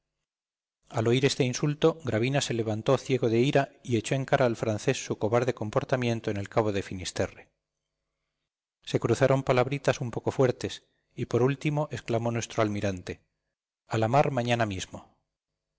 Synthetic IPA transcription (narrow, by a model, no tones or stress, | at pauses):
alo̞iɾe̞st̪e̞insult̪o̞ɡɾaβ̞inase̞le̞βant̪o̞θje̞ɣo̞ðe̞iɾaie̞t͡ʃo̞e̞ŋkaɾʔaːlfɾanθe̞sːuko̞βaɾðe̞ko̞mpo̞ɾt̪amjẽ̞nt̪oene̞lkaβ̞o̞ðe̞finist̪e̞re | se̞kɾuθaɾo̞mpalaβɾit̪asumpo̞ko̞fwe̞ɾt̪e̞s | ipo̞ɾult̪imo̞ʔe̞sklamo̞nwe̞st̪ɾoalmiɾant̪e̞ | alamaɾmãɲanamizmo